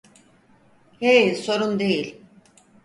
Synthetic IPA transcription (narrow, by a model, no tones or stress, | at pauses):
heso̞ɾund̪ejilʲ